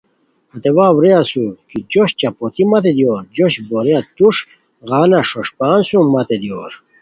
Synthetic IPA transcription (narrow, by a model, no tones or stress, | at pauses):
ɐt̪ewaːwɾeasukid͡ʑoɕt͡ɕapot̪imɐt̪ed̪joːɾd͡ʑoɕboɾeat̪uʂ | ɣaːnaʂoʂpaːnsumɐt̪ed̪joːɾ